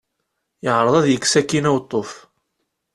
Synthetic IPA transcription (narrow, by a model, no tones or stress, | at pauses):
jəʕɾˤəðˤæðjəksækːinæwt̪ˤːof